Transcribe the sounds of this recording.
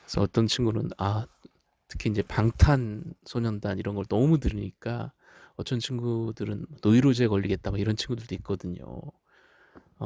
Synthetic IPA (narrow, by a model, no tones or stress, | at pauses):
kesʰʌʌt͈ʌnt͡ɕʰinɡunɯna | tʰɯ̥kʰiind͡ʑe̞paŋtʰansʰoɲʌndaniɾʌnɡʌɭnʌmudɯɾiɲik͈a | ʌt͡ɕ͈ʌnt͡ɕʰinɡudɯɾɯnmʌnoiɾod͡ʑe̞ɡʌʎːiɡe̞t̚t͈amaiɾʌnt͡ɕʰinŋɡudɯɭd̥͈oit̚k͈ʌdɯɲo̰